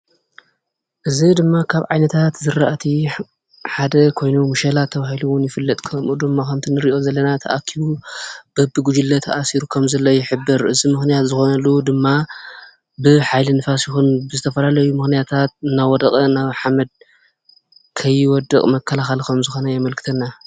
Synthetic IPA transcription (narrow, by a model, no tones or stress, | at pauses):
ʔɨzid̪ɨmːakʰaβʕajnɐt̪ʰat̪zɨɾaʔt̪ʰi | ħad̪ɐkʰo̞jnumuʃɐlat̪ʰːɐβahiluwʊnjɪfɨlːɐt̪ʼkʰɐmʔud̪ɨmːakɐmt̪ʰinɨɾiʔo̞zɐlːɐnat̪ʰɐ̰ʔakʰːiβub̥ɐbːɨɡud͡ʒulːɐt̪ʰɐʔasiɾukʰɐmzɐlːojɪħɨbːɨɾʔɨzimɨxnijat̪zɨxo̞nɐlːud̪ɨmːa | bɨħajlinfasjɪxunbɨzɨt̪ʰɐfɐlalɐjumɨxnijat̪ʰat̪̚ɨnawɔd̪ɐkʼɐnaβħamɐd̪̚ | kʰɐjɪwɔd̪ɐkʼmɐkʰːɐlaxɐlkʰɐmzɨxo̞nɐjamɐlkʰɨ̥t̪ʰɐnːa